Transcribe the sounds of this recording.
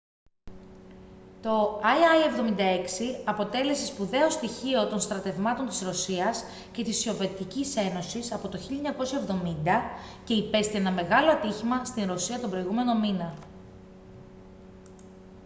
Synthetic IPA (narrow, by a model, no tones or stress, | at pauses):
t̪o̞ɐjɐjevðo̞mind̪ɐe̞ksiɐpo̞t̪e̞le̞sespuðe̞o̞st̪içio̞t̪o̞nst̪ɾɐt̪e̞vmɐt̪o̞nt̪i̥sɾo̞siɐs | ce̞t̪isio̞ve̞t̪icise̞no̞sisɐpo̞t̪oçilʎɐeɲɐko̞sjɐevðo̞mind̪ɐce̞ipe̞st̪ienɐme̞ɣɐlo̞ɐt̪içimɐst̪inɾo̞siɐt̪o̞bɾo̞iɣume̞no̞minɐ